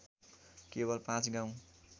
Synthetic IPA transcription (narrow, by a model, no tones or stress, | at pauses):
kebʌlpãt͡sɡãw̃